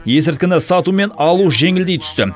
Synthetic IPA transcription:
je̞sɪɾt̪̚kʲɪnɪsɑt̪ume̞nɑlˠuʒe̞ŋɪld̪ejt̪ʰʏ̥st̪ɪ

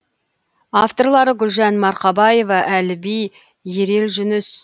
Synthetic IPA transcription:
aft̪o̞rlˠɑɾəɡʲʏlʒænmɑɾqɑbɑje̞vɑʔælɪbij | je̞ɾe̞lʒʏnʏs

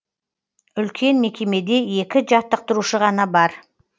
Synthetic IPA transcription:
ʏlkʲʰe̞nme̞kʲe̞me̞d̪e̞e̞kʲɪʒɑt̪ːəq̚t̪əɾuʃəʁɑnɑbɑɾ

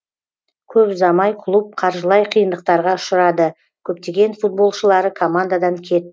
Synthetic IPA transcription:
kʲʰɵpzɑmɑjqʰlˠup̚qʰɑɾʒəlˠɑjqʰijənd̪əq̚t̪ɑɾʁɑʊʃəɾɑd̪ə | kʲʰɵpt̪e̞ɡʲe̞nfut̪̚bo̞lˠʃəlˠɑɾəkʰo̞mand̪ad̪ɑŋkʲʰe̞t̪̚

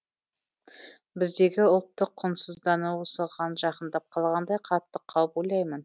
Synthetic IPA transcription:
bɪzd̪e̞ɡʲɪʊlˠt̪ːəqʰːʊnsəzd̪ɑnuwosəʁɑnʒɑqənd̪ɑp̚qʰɑlˠʁɑnd̪ɑjqʰɑt̪ːəqʰːɑwəpojlˠɑjmən

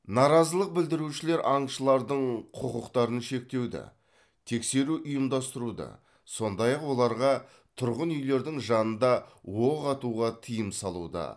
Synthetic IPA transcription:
nɑɾɑzəlˠəq̚bɪld̪ɪɾuʃɪle̞ɾʔɑɴʃəlˠɑɾd̪əɴqʰʊqəqt̪ɑɾənʃe̞k̚t̪e̞wd̪ɪ̰ | t̪ʰe̞kse̞ɾuʔʊjəmd̪ɑst̪əɾud̪ɑ̰ | so̞nd̪ɑjɑqwo̞lˠɑɾʁɑ | t̪ʰʊɾʁənʏjle̞ɾd̪ɪŋʒɑnənd̪ɑwoʁɑt̪uʁɑt̪ʰijəmsɑlˠṵd̪ɑ̰

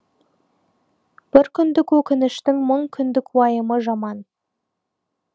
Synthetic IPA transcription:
b̥ɪɾkʲʰʏnd̪ɪkwɵkʲɪnɪʃt̪ɪŋməɴkʲʰʏnd̪ɪkwɑjəməʒɑmɑn

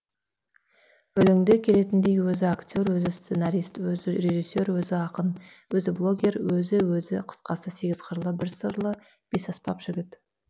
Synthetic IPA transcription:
ɵlɪŋd̪e̞kʲʰe̞le̞t̪ɪnd̪e̞jwɵzɪakt̪ʲo̞ɾwɵzɪst̪senaɾijst̪wɵzɪɾe̞ʒijsːe̞ɾwɵzɪɑqən | wɵzɪblˠo̞ɡʲe̞ɾwɵzɪwɵzɪqʰə̥sqɑsəse̞ɡʲɪzqʰəɾlˠəbɪɾsəɾlˠə | b̥e̞sɑspɑpʒ̥ɪɡʲɪt̪

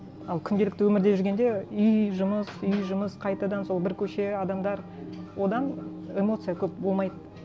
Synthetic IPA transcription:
ɑlˠkʲʰʏnd̪elɪkt̪ɪwɵmɪɾd̪e̞ʒʏɾɡʲe̞nd̪e̞ʏjʒʊməsʏjʒʊməsqʰɑjt̪ɑd̪ɑnso̞lˠbɪɾkʲʰɵʃe̞ɑd̪ɑmd̪ɑɾ | wo̞d̪ɑn | e̞mo̞t̪sɨjakʲʰɵp̚bo̞lˠmɑjd̪ə

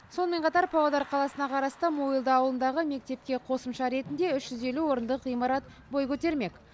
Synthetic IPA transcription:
so̞nəme̞ɴqʰɑt̪ɑɾpʰowɑd̪ɑɾqʰɑlˠɑsənɑqʰɑɾɑst̪əmoilˠd̪əɑwlˠənd̪ɑʁəme̞k̚t̪e̞p̚kʲe̞qʰo̞səmʃɑɾe̞t̪ɪnd̪e̞ʏʃʒ̥ʏze̞luwo̞ɾənd̪əqijmɑɾɑt̪ | bo̞jkʲʰɵt̪e̞ɾme̞kʲ

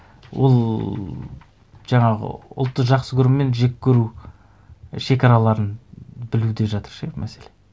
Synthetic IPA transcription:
wo̰lˠ | ʒ̥ɑɴɑʁə̰ʊ̰lˠt̪ːəʒɑqsəkʲʰɵɾmme̞nʒekʲːɵɾu | ʃe̞kʲɑɾɑlˠɑɾənbɪlud̪e̞ʒɑt̪əɾʃmʔæ̰se̞le

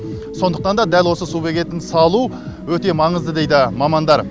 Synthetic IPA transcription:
so̞nd̪əqt̪ɑnd̪ɑd̪ælwo̞səsube̞kʲe̞t̪ːɪnsɑlˠu | wɵt̪e̞mɑɴəzd̪əd̪e̞jd̪ɪmɑmɑnd̪ɑɾ

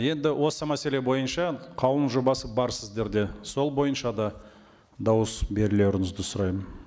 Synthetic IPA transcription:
je̞nd̪ɪwʔo̞səmæse̞le̞bo̞jənʃɑqʰɑwənʒo̞bɑsəbɑɾsɪzd̪e̞ɾd̪e̞so̞lˠbo̞jənʃɑd̪ɑ | d̪ɑwəsbe̞ɾɪle̞ɾɪŋɪzd̪ɪsʊɾɑjmən

